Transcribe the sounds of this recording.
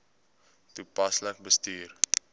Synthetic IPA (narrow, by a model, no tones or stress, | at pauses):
tupɐslək̚bəstyːr